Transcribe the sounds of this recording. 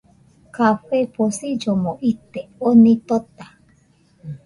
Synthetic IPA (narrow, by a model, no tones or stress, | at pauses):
kaɸeposid͡ʒomoʔit̪eonĩt̪ot̪a